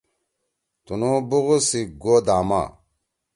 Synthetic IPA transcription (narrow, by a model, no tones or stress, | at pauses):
t̪unubuɣusiɡoːd̪aːma̰